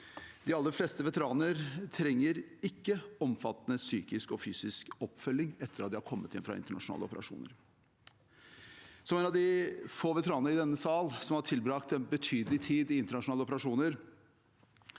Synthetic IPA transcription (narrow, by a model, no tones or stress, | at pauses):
d̪̥ɪɑlːəɾfleːst̪əʋɛt̪əɾɑːnəɾt̪ʰɾɛŋːəɾɪkːəɔmfɑt̪ːnəsyːkɪskɔfyːsɪskɔpːfœlːɪŋɛt̪ːəɾɑt̪̚d̪ɪhɑɾkʰɔmːət̪ʰɪ̰nfɾɑ̰ɪ̰nt̪əɳɑʂʊnɑ̰ːləɔ̰pəɾɑ̰ʂṵːnə̰ɾ | sɔmeːnɑʋd̪ɪfoːʋɛt̪əɾɑːnənəɾɪd̪ɛnːəsɑːlsɔmhɑʈʰɪlbɾɑːkt̪ɛnbət̪ʰyːd̪l̩ɪt̪ʰiːd̪ɪɪnt̪əɳɑʂʊnɑːləɔpəɾɑʂuːnəɾ